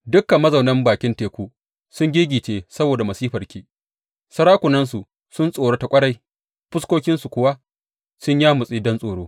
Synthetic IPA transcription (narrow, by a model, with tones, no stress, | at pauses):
dʊ˦kːɐ˨mːɐ˦zɐ˨wnɐ˦mbaː˨kʲɪ˦nteː˨kʷuː˦ | sʊ˦ŋɡʲiː˦ɡʲiː˨t͡ʃeː˦sɐ˦boː˨da˨mɐ˨siː˦ɸɐ˨rkʲiː˨ | sɐ˦ɽaː˦kʷʊ˨nɐ˦ns̬u˨ | sʊ˦nsʼoː˨ɽo˦ta˨kʷʼɐ˦ɽa˨j | ɸʊ˦skʷoː˦kʲɪ˦nsu˨kʷʊ˦wa˦ | sʊ˦ɲjaː˦mʊ˨sʼiː˦dɔ˦nsʼoː˨ɽoː˦